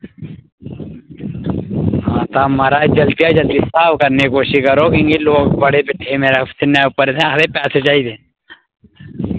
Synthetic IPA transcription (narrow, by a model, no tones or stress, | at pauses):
ɦãːt̪aːməɾaːed͡ʒəlt̪ijaːd͡ʒəlt̪isaːbkəɾnekoːʃikəɾokiŋɡiloːɡbəɽeːbeʈʰːemeːɾasɪnːaʊpəɾsẽaɾepɛːset͡ʃaːid̪eː